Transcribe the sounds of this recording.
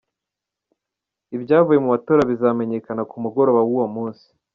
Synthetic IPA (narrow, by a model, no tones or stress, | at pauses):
ibɟaːvuje̞muβatoːɾaβizaːmeɲe̞kanakumuɡo̞ɾo̞βawuwomuːnsi̥